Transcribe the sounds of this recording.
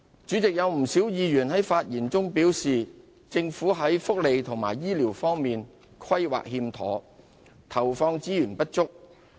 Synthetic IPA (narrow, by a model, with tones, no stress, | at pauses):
t͡ʃyː˨˥t͡sɪ˨k̚jɐ˨˧wm̩˨˩siː˨˥wjiː˨˧jyː˨˩nɦɐ˨˥jfaː˧t̚jiː˨˩nt͡sʊ˥ŋpiː˨˥wsiː˨ | t͡sɪ˧ŋfuː˨˥ɦɐ˨˥jfʊ˥k̚le˨˧jt̪ʰʊ˨˩ŋma̰ː˨˩jːiː˥liː˨˩wfɔː˥ŋmiː˨n | kʰɐ˥jwa̰ː˨k̚hiː˧mt̪ʰɔ̰ː˨˥ | t̪ʰɐ˨˩wfɔː˧ŋt͡siː˥jyː˨˩npɐ˥t̚t͡ʃʊ˥k̚